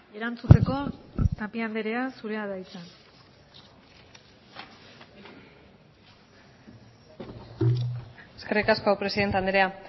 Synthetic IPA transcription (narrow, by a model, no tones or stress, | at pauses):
eɾant͡sut͡se̞ko̞t̪apiand̪e̞ɾe̞asuɾe̞aðajt͡san | eskerikaskoapɾe̞siðe̞nt̪eand̪eɾea